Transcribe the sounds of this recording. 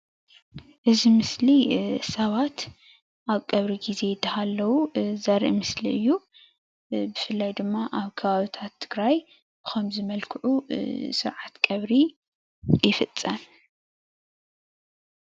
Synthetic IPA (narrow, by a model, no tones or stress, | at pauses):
ʔɨzimɨslisɐβat̪ | ʔaβkʼɐβɾiɡize̞jd̪ɐhalːɐwuzɐɾʔḭmɨsliɨjːu | bɨfɨlːajd̪ɨmːaʔaβkʰɐβaβit̪ʰat̪ʰːɨɡɾaj | ɨxomzɨmɐlkʰɨʕusɨɾʕat̪kʼɐβɾi | jɪfɨt͡sʼːɐn